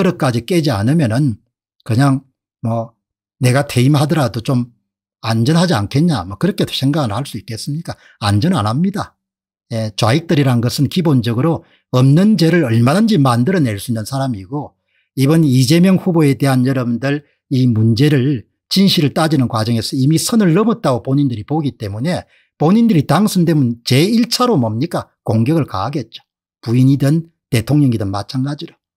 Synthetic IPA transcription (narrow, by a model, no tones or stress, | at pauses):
kɯɾʌk͈ad͡ʑik͈e̞d͡ʑia̰nɯmjʌnɯn | kɯɲaŋ | mʌ | ne̞ɡatʰe̞imhadʌɾadot͡ɕom | and͡ʑʌnɦad͡ʑia̰nkʰe̞nɲamʌkɯɾʌkʰe̞sʰe̞ŋɡaɡɯɭhaɭs͈uik͈e̞s͈ɯmɲik͈a | and͡ʑʌna̰namɲida | jet͡ɕwaik̚t͈ɯɾiɾanɡʌsʰɯnkibond͡ʑʌɡɯɾo | ʌmnɯnd͡ʑe̞ɾɯɾʌɭmanand͡ʑimandɯɾʌne̞ɭs͈uinːɯnsʰaɾamiɡo | ibʌnid͡ʑe̞mjʌŋɸuboe̞de̞ɦanjʌɾʌbundɯɭ | imund͡ʑe̞ɾɯɭ | t͡ɕinɕʰiɾɯɭt͈ad͡ʑinɯnkwad͡ʑʌŋe̞sʰʌimisʰʌnɯɭːʌbʌt̚t͈aɡopoɲindɯɾipoɡit͈e̞mune̞ | poɲindɯɾitaŋsʰundemunt͡ɕe̞iɭt͡ɕʰaɾomʌmɲik͈a | koŋɡjʌɡɯɭka̰ːɡe̞t̚t͡ɕ͈o̥ | puiɲidɯn | te̞tʰoŋɲʌŋidɯnma̰t͡ɕʰaŋɡad͡ʑiɾo